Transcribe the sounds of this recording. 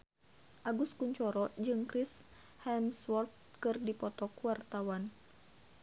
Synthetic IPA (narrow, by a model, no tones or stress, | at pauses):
ʔaɡuskuɲt͡ʃɔɾɔd͡ʒɨŋkɾis | hɛmswɔrt̪̚kɨrdipɔt̪ɔkuwart̪awan